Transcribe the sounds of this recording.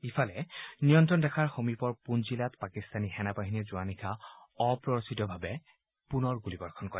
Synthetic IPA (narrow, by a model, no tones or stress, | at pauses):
ifʰalɛnijɔntɹɔndɛkʰaɹxomipɔɹpunzilatpakistanixɛnapaɦinɛzʊanikʰaɔpɹɔɹositɔbʱabɛ | punɔɹɡulibɔɹkʰɔnkɔɹɛ